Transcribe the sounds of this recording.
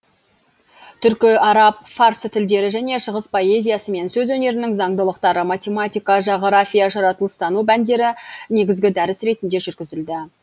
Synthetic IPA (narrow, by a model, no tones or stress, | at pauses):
t̪ʰʏɾkʲɪɑɾɑp̚faɾst̪ʰɪld̪e̞ɾɪʒæne̞ʃəʁəspʰo̞e̞zʲijɑsəme̞nsɵzwɵne̞ɾɪnɪŋzɑɴd̪əlˠəqt̪ɑɾəmat̪ʲe̞mat̪ʲijkɑʒɑʁɾafʲijɑʒɑɾɑt̪əlˠəst̪ɑnubænd̪e̞ɾɪne̞ɡʲɪzɡʲɪd̪æɾɪsɾe̞t̪ɪnd̪e̞ʒʏɾɡʲɪzɪld̪ɪ